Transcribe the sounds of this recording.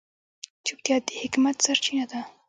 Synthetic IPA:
t͡ʃupt̪jɑehɪkmat̪saɾt͡ʃinad̪a

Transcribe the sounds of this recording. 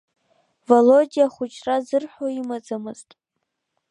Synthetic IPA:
volodʲijaχʷʊt͡ʃʰʼrazɨrħʷoimad͡zamɨztʼ

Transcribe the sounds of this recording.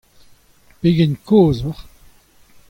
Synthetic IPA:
peɡɛnkʰoːzɔʁ

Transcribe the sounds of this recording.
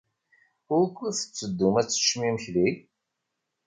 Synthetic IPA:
ʊɾkʷːiθə̥t͡sːəd̪ːumæt͡sːə̥ʃmiməçli

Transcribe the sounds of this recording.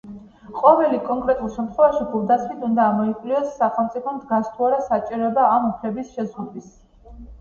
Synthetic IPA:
qʼɔvɛlikʼɔŋkʼɾɛt̪ʼulˠʃɛmt̪ʰχwɛvaʃibulˠd̪asmit̪ʰund̪aːmɔikʼliɔsːaχɛlˠmt̪sʼipʰɔmd̪ɡast̪ʰuaɾasat͡ʃʼiɾɔbaːmupʰlɛbisʃɛzɡud̪is

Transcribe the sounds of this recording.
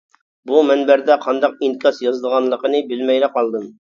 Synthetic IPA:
bumɛnbɛɾd̪ɛqʰɑnd̪ɑq̚inkʲʰɑsjɑzd̪əʁɑnlˠəqənɨbɪlmɛjlɛqʰɑlˠd̪ɨm

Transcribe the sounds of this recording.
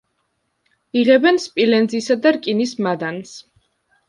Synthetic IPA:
iʁɛbɛnspʼilɛnd̪zisad̪aɾkʼinismad̪ans

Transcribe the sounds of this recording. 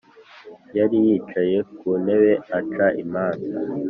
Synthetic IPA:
jaɾijiːt͡ʃaje̞kune̞we̞at͡ʃaʔimaːnza

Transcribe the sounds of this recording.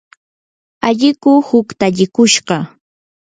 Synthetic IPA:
aʎɪkʊhʊkt̪aʎɪkʊʃɢɑ

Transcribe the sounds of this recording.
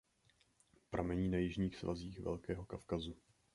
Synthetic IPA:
pɾʔamɛɲiːnajɪʒɲiːxsva̰ziːxvɛ̰lkɛːɦo̞kafkazu

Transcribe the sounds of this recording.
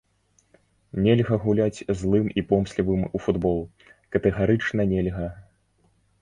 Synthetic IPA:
nʲelʲɣɐɣulʲat͡sʲzlˠɨmipɔmsʲlʲivɨmufud̪bɔlˠ | kɐt̪ɛɣaɾɨt͡ʂnɐnʲɛlʲɣɐ

